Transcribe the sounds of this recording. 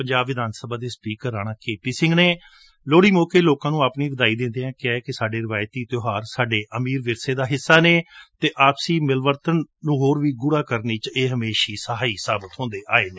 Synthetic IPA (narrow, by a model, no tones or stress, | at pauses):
pəɲd͡ʒaːbʋɪd̪aːnsəbaːd̪eːspiːkəɾːaːɽ̃aːkeːpiːsɪ̃ŋɡneː | loːɽiːmoːkeːloːkãːnũːaːpniːʋəd̪aːiːd̪ẽːnd̪eːɛ̃ːkɛːkɪsaːɖeːɾɪʋaːjt̪iːt̪joːɦaːɾsaːɖeːʔəmiːɾʋɪɾseːd̪aːɦɪsːaːneːt̪eːʔaːpsiːmɪlʋəɾt̪ənːũːɦoːɾʋiːɡʊɾaːkəɾneːt͡ʃeːɦəmeːʃiːsəɦaːiːsaːbət̪ɦõːnd̪eːʔaːeːneː